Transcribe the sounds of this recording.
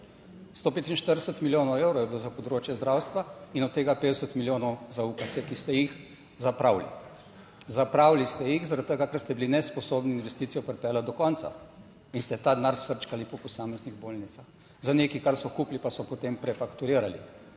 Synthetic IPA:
st̪opeːt̪inʃt̪əɾd̪ɛsət̪miljoːnɔwewɾɔwjɛbilozapɔd̪ɾoːt͡ʃjɛzd̪ɾawst̪ʋainɔt̪ːeːɡapeːd̪əsət̪miljoːnɔwzaukat̪sɛkist̪ɛjix | zapɾaːwlḭ | zapɾawlist̪ɛjixzaɾat̪t̪ːəɡakəɾst̪ɛbilinɛspɔsoːbniinʋɛst̪iːt̪ijɔpɾɛpɛːlad̪ɔkɔnt̪sa̰ | inst̪ɛt̪aːd̪naɾsfəɾt͡ʃkalipɔpɔsaːmɛzniɣboːlnit̪sax | zaneːkikaɾsɔkuplipasɔpɔt̪empɾɛfakt̪uɾiːɾalḭ

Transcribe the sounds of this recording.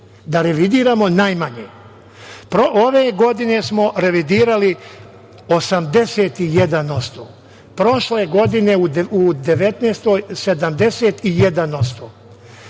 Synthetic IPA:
d̪aɾeʋid̪iːɾamo̞najmaɲe | pɾoʔoʋeːɡo̞d̪ine̞smo̞ɾe̞ʋid̪iːɾali | osamd̪e̞seːt̪ijed̪ano̞st̪oː | pɾo̞ʃleɡo̞d̪ine̞uud̪e̞ʋet̪neːst̪ojsed̪amd̪e̞set̪ijed̪ano̞st̪oː

